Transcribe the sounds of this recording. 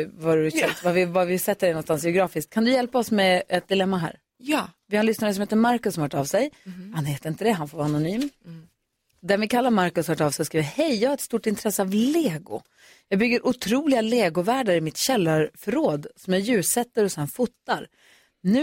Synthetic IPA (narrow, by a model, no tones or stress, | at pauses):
vaɾɵɛt̪vavɪvavɪsɛt̪ːəɖɛnɔnst̪ansjɛʊɡɾɑːfɪskt̪kʰand̪ɵjɛlpaɔsmɛɛt̪̚d̪ɪlɛmːaɦæ̰ːɾ | jvɪhaɾnʏsnaɾəsɔmheːt̪̬ːəmaɾkɵsɔmhœːʈːavsɛjhanheːt̪əɾɪnt̪əd̪ɛɦanfoɾvaanʊnyːm | d̪ɛnvɪkʰalːaɾmaɾkɵshœːʈavsɛskɾiːvəhɛjjɑːɡhaɾɛt̪st̪uʈɪnt̪ʰɾɛsːəavleːɡʊ̰ | jɑːɡbʏɡːəɾʔʊt̪ʰɾuːlɪɡaleːɡʊvæːɖəɾɪmɪt̪ɕɛlːaɾfœɾoːd̪sɔmjɑːjʉ̟ːsɛt̪ːəɾɔsɛnfʊt̪ːaɾ | nʉ̟ː